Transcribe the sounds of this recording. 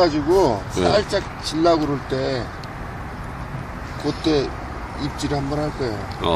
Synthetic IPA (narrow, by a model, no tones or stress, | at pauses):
ad͡ʑiɡos͈aɭt͡ɕ͈ak̚t͡ɕiɭːaɡɯɾoɭt͈e̞ | kot͈e̞ | ip̚t͡ɕ͈iɾɯɭhambʌnhaɭk͈ʌeo̰